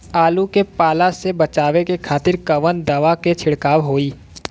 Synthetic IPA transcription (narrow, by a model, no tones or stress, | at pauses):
aːlukepaːlasebɐt͡ʃaːʋekekʰaːt̪ɪɾkɐʋənd̪ɐʋaket͡ʃʰɪɽkaːwɦoːiː